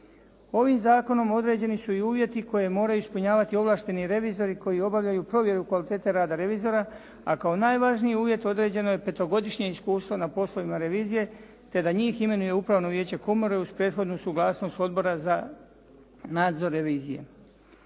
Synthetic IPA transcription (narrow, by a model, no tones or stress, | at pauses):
o̞ʋimzaːko̞no̞mo̞d̪ɾe̞ːd͡ʑe̞nisuiuːʋje̞t̪iko̞je̞mo̞ːɾajuispuɲaːʋat̪io̞ʋlˠaːʃt̪e̞niɾe̞ʋizo̞ɾiko̞jio̞baʋʎajupɾo̞ʋje̞ɾukʋalit̪e̞ːt̪e̞ɾaːd̪aɾe̞ʋiːzo̞ɾa | a̰kao̞naːjʋaʒniiuːʋje̞t̪o̞d̪ɾe̞ːd͡ʑe̞no̞jepe̞t̪o̞ɡo̞d̪iʃɲe̞iskuːst̪ʋo̞napo̞slˠoʋimaɾeʋiːzije̞ | t̪e̞d̪aɲiːxime̞nuje̞upɾaʋno̞ʋje̞ːt͡ɕe̞komoɾeuzpɾe̞t̪xo̞d̪nusuɡlˠaːsno̞st̪o̞d̪̚bo̞ɾaza | naːd̪zo̞ɾːe̞ʋiːzije̞̰